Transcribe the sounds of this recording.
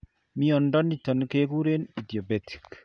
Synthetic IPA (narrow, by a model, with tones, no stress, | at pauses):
mi˦ɔ˨ndɔ˦ni˨tɔ˨nke˦k̬u˦ɾe˦ni˨di˨o˨be˨ti̥˨k